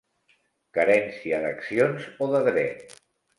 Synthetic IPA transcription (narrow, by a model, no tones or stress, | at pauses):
kəɾɛnsiəðəksionzoðəðɾɛt̪